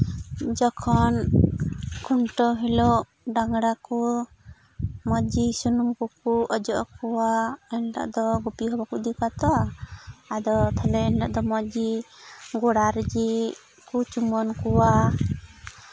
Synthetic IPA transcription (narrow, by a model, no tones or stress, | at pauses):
d͡ʒɔkʰɔn | kʰunʈɔɦilɔ | ɖaŋɽaku | mɔd͡ʒisunumkɔkuɔd͡ʒɔʔɔkɔwaɛnʈa̰ʔd̪ɔɡupiɦɔbakud̪ikat̪ɔ | ad̪ɔt̪ʰalɛɛnʈaʔd̪ɔmɔd͡ʒi | ɡɔɽaɾd͡ʒi | kut͡ʃumɔnkuwa